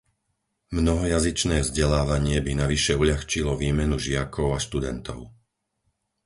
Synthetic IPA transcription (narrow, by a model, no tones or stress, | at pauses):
mnɔɦɔjazit͡ʃnɛːvzɟɛlaːʋaɲɪɛbinaʋiʃɛuʎaxt͡ʃilɔʋiːmɛnuʒɪakʰɔʊaʃt̪ud̪ɛ̰nt̪ɔ̰ʊ